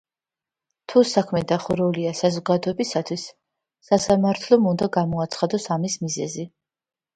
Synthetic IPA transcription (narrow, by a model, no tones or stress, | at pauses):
t̪ʰusakʰmɛd̪aχuɾɛuliasazɔɡad̪ɔɛbisat̪ʰwisː | asamaɾt̪ʰlˠɔmund̪aɡamɔat̪sʰχad̪ɔsamismizɛzi